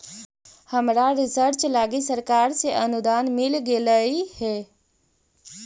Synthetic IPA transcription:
həmɾaɾɪsəɾt͡ʃlaːɡisəɾkaːɾseʔənʊd̪aːnmɪlɡeləihɛː

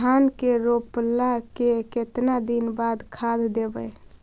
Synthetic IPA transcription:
aːnkeɾoplakeket̪nad̪inbaːd̪kʰad̪d̪ebə

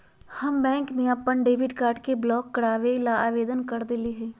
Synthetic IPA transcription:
hɐmbɛ̃ːŋkmẽəpəɳɖeːʋɪɖkaːɾɖkeblɔːkːɐɽaːʋelaaːʋeːd̪ənkɐɾd̪eliɦɛ̃ː

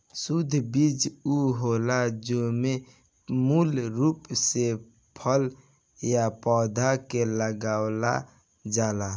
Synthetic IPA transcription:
sud̪ʱbid͡ʒuɦolad͡ʒome | mulɾupse | pʰəl | japɔːd̪ʱakeləɡawla̰ | d͡ʒaːla

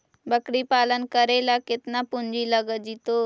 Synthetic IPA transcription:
bəkɽipaːlənkəɾelakɪt̪napʊnd͡ʒiləɡəd͡ʒit̪o

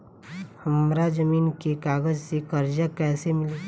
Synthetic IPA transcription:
həmɾad͡ʒəmiːnkekaːɡəd͡ʒsekəɾd͡ʒakɛːsemɪle

